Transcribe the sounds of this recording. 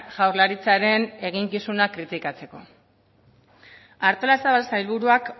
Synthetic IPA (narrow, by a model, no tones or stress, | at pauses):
ʝawɾlaɾit͡saɾe̞ne̞ɣiŋkisunakɾit̪ikat͡se̞ko̞ | aɾt̪o̞lasaβalsajlβuɾuak